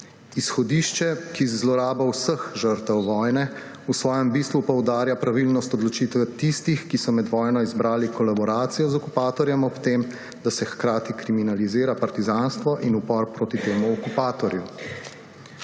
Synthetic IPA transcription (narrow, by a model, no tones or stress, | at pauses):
isxɔd̪iʃt͡ʃɛkizlɔɾaːbawsəxʒəɾt̪ɛwʋɔjnɛ | usʋɔːjɛmbist̪ʋupɔwd̪aːɾjapɾaʋilnɔst̪ɔd̪lɔt͡ʃit̪ʋɛt̪ist̪ixkisɔmɛd̪ʋɔːjnɔizbɾaːlikɔlabɔɾaːt̪sijɔzɔkupaːt̪ɔɾjɛmɔpt̪eːm | d̪asɛxkɾaːt̪ikɾiminalizeːɾapaɾt̪izanst̪ʋɔʔinupɔɾpɾoːt̪it̪eːmuɔkupaːt̪ɔɾju